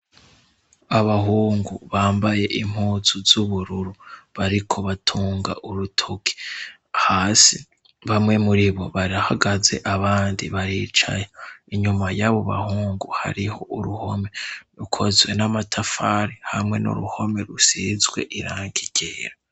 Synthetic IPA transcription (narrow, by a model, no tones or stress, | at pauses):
aβaɦuːŋɡuβaːmbaje̞ʔim̥huːzuzuβuɾuɾuβaɾikʰo̞βatʰuːŋɡa̰ʔuɾutʰoki̥ | haːsi | βamŋe̞muɾiβo̞βaɾiɾahaɡaze̞̰ʔaβaːndḭβaɾiːt͡ʃa̰joiɲumajaβo̞βa̰huːŋɡuha̰ɾiho̞ʔuɾuho̞̰meɾukʰo̞zwe̞namatʰafaɾihamŋe̞nṵɾṵho̞me̞ɾusizɡwe̞̰ʔiɾaːŋɡiɟeːɾa